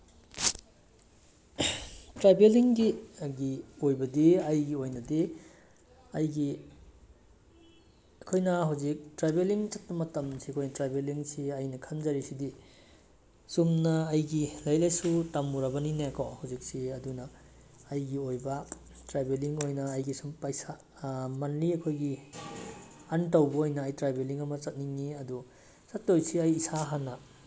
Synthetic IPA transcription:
tɾajbeliŋɡiɡiojbɐdiɐjɡiojnɐdi | ɐjɡi | ɐkʰojnɐɦawzik̚tɾajbeliŋt͡ʃɐt̚pɐmɐtɐmsiɐkʰojnɐtɾajbeliŋsiɐjnɐkʰɐnzɐɾisidi | sumnɐːjɡilajlajsutamuɾɐbɐninekʰɔhawzik̚siɐdunɐː | jɡiojbɐ | tɾajbeliŋojnɐːjɡisumpajsa | manliɐkʰojɡi | antawbɐojnɐːjtɾajbeliŋɐmɐt͡ʃɐt̚niŋniɐdu | sɐtːojsiɐjːsaɦanːɐ

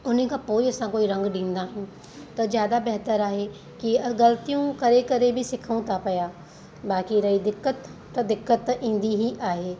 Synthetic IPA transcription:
ʊnɦekapoːiɐsãkoːiɾɐ̃ŋɡɖĩːn̆d̪aɦũ | t̪ɐzjaːd̪abɛɦt̪əɾaːɦe | kiɐɡɐlət̪ijũkɐɾekɐɾebʱisɪkʰũt̪ʰapɐjaː | baːkiɾɐɦid̪ɪkːət̪ː | ɐd̪ɪkːət̪ːʔĩːn̆d̪iɦiʔaːɦeː

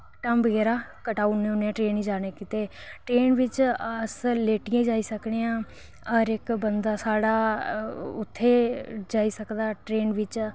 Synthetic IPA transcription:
ʈaːmbəɡɛːɾaːkəʈaːunːẽːʊnːẽːʈɾeːniːd͡ʒaːneːkit̪eːʈɾeːnʋɪt͡ʃəsleːʈɪjãːid͡ʒaːiːsəkɽeãː | əɾɪkbənd̪aːsaːɽaː | ʊt̪ʰːeːd͡ʒaːiːsəkd̪aːʈɾeːnʋɪt͡ʃ

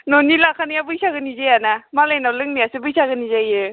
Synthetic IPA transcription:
nɔnilakʰanijabɯjsaɡɯnizejanamalajnawlɯŋnijasɯbɯjsaɡɯnizajɯ

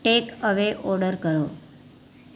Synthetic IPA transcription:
ʈekəʋeʔoɽəɾkəɾo

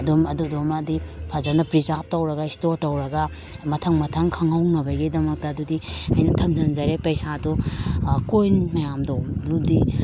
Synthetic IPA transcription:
ɐdumɐdudomadipʰazanɐpɾizap̚tɐwɾɐɡɐistoɾtɐwɾɐɡɐ | mɐtʰɐŋmɐtʰɐŋkʰɐŋawnɐbɐjɡidɐmɐk̚tɐːdudiajnɐtʰɐmzɐnzaɾepɐjsadukojnmɐjamdowludi

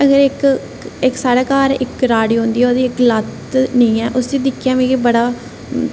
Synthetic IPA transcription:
əɡəɾɪk | ɪksaːɽaːkaːɾɪkɾaːɽiːɦõːnd̪iːoːd̪iːɪklət̪ | nəĩːɛːʔʊsd̪iːd̪ɪkʰːjaːmẽːkibəɽaː

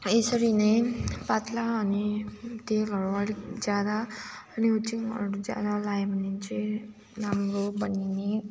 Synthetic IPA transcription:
esʌɾinajpat̪laʌnit̪elʌɾuaɽikd͡zjad̪aʌniut͡siŋʌ̰ɾud͡zja̰d̪alajmʌnint͡se | namɾobʌnine

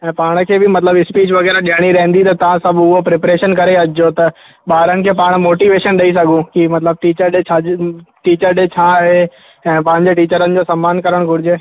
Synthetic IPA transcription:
ɛ̃ːpaːɽ̃kʰeːbɪmɐt̪ləbɪspiːt͡ɕʋɐɣɛːɾaɗɪjaːɽ̃iɾɐɦɪ̃nd̪it̪ɐt̪ɐʋãsɐbʱʊɦopɾeːpɾeːʃənkɐɾeɐd͡ʑɪd͡ʑot̪ɐ | ɓaːɾənɪ̆kʰeːpaːɽ̃moːʈiːʋeːʃənɗɐisɐɡʱũkimɐt̪ləb̚ʈiːt͡ɕəɾt͡ɕʰaʈiːt͡ɕəɾɗet͡ɕʰaːɦe | ɛ̃ːpɐ̃ɦɪ̃ɲd͡ʑeʈiːt͡ɕəɾənɪ̆d͡ʑoːsɐmːaːnkɐɾəɽ̃ɡʱʊɾɪd͡ʑe

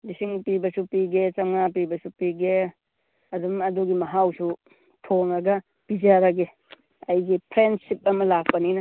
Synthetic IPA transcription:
lisiŋpibɐsupiɡet͡ʃɐmŋap̬ibɐsupiɡe | ɐdumɐduɡimɐɦawsu | tʰoŋɐɡɐ | pid͡ʒaɾɐɡe | ɐjɡipʰɾensip̚ɐmɐlap̚ʰɐninɐ

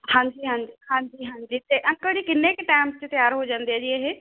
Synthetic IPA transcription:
hãːɲd͡ʒiːɦãːɲd͡ʒiɦãːɲd͡ʒiːɦãːɲd͡ʒiːt̪eːʔəŋkəɽiːkɪnːeːkeʈaːmst͡ʃt̪ɪjaːɾɦoːd͡ʒãːnd̪eɛːd͡ʒiːeːɦeː

